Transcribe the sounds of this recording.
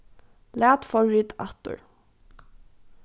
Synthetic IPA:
læːt̪fɔit̪a̰t̪ʊ̰ɹ

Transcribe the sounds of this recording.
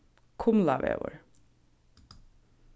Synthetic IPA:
kʰʊmlaʋḛːʋə̰ɹ

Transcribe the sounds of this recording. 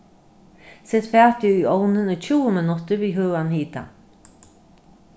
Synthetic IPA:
sɛt̪fɛːt̪iʏjɔwnɪnʏt͡ɕʰuːəmɪnʊt̪ɪɾviːɦøːanhiːt̪a̰

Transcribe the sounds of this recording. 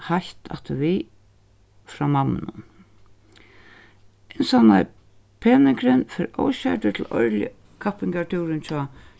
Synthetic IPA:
haht̪ʰa̰ft̪ɪvi | fɾamanːɪ̰nʊ̰n | ɪnsana̰j | pʰeːnɪkɾɪnfɛɾo̰wɕat̪ʏt̪ʰɪlɔɹljə̰ | kʰapɪŋkat̪ʰuwɾɪnt͡ɕʰɔː

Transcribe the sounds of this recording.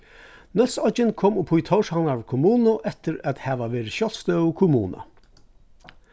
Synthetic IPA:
nœlsɔɪnkʰoːmʊpʰʊjt̪ʰɔwʂhanaɹkʰʊmuːnʊʔɛt̪ɪɾæ̰t̪hæʋaʋeːɾɪɕjɔlst̪œwʊkʰʊmṵːna̰

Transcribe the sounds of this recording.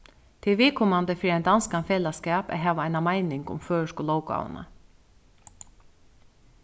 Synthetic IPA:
t̪ʰɪʋiːkʰɔmand̪əfɾiːɛɪnd̪anskanfeːlaskæːpæ̰ɦæːʋaaɪnamaɪnɪŋkʊ̰mføːʂkʊlɔːwka̰w̰na̰

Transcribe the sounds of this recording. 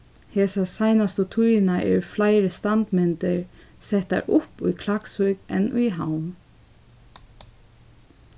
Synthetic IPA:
hɛːsasajnast̪ʊt̪ʰujnaʔɛ̰flajɪɾəst̪ant̪mɛnt̪ɪɹsɛht̪a̰ɹʔʊpṵjkʰlakshujkɛ̰nʔujɦawn

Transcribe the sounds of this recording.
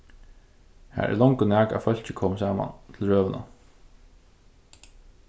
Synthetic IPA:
hæ̰ːɾʔɛ̰ɾlɔŋkʊnæːka̰fœl̥t͡ɕɪkʰɔːməsaːma̰nt̪ʰɪlɹøːʋəna̰

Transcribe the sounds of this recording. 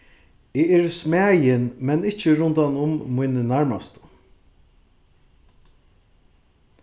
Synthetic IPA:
ɪɛɹsmæːjɪnmɛnɪht͡ʃəɾʊnd̪anʊmːujnənæɹmast̪ə̥

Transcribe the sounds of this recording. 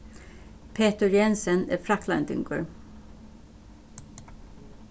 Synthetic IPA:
pʰeːt̪əɾjɛnsənæ̰ːfɾɑklɑ̰nt̪ʏ̰ŋɡo̰ːɹ

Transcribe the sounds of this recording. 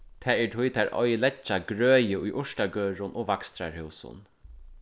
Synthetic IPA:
t̪ʰɛːɛʈ̪ʰʊjt̪ʰæːɹʔɔ̰jlɛt͡ʃːaɡɾøːjəʊjʔʊʂtaɡøːɹʊnʔɔːʋakst̪ɾa̰ɹhʉwsʊ̰n

